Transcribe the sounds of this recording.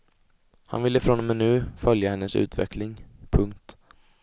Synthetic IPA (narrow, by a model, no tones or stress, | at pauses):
ha̰nvɪlːəfɾɔnmɛnʉ̟ːfœljahɛnːəsʉ̟̰ːt̪vɛ̰kʰlɪŋpʰɵŋk̚t̪